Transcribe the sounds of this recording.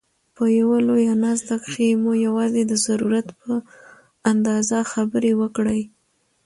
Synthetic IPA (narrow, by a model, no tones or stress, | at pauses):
pəjawalojanɑzd̪akxemojawɑzed̪əzaɾuɾat̪pə | and̪ɑzaxabəɾewəkɽəj